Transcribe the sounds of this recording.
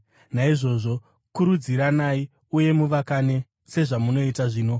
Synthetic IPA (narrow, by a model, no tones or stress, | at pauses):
naiʐo̞ʐo̞ | kuɾud͡ziɾanai | uje̞muʋakane̞ | se̞ʐamuno̞itaʐiːno̞